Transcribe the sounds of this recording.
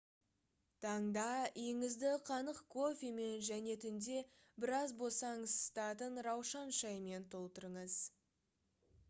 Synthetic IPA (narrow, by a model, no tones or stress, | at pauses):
t̪ʰɑɴd̪ɑijɪŋɪzd̪ɪqʰɑnəqkʰo̞fʲime̞nʒæne̞t̪ʰʏnd̪e̞ | bɪɾɑzbo̞sɑɴəzst̪ɑt̪ənɾɑwʃɑnʃɑjme̞nt̪ʰo̞lˠt̪əɾəɴəz